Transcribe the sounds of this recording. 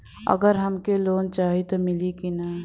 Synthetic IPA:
ɐ̰ɡəɾɦɐmkeloːnt͡ʃaːɦit̪omɪlikinɐ

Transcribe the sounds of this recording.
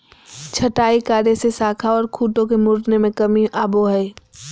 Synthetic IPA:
t͡ʃʰɐʈaːikaːɾesesaːkʰaɔːɾkʰuːʈõkemʊɾnemẽkɐmiʔaːboɦɛː

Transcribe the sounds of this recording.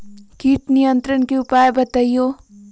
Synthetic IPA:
kiːʈnijə̃nt̪ɾənkeʊpaːjebɐt̪aijoː

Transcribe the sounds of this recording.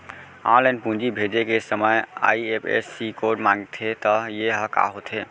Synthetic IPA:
ã̰lanpũnd͡ʒibʱed͡ʒekesəməja̰iepʰḛsːikoɖmãŋɡt̪ʰet̪ɔjeɦəka̰ɦot̪ʰe

